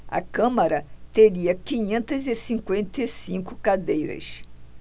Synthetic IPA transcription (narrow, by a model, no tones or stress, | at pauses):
ɐ̰kɐ̃mɐɾɐt̪eɾiɐkĩɲẽnt̪ɐzɪsĩŋkwẽnt̪esĩŋkʊkad̪ejɾɐ̰s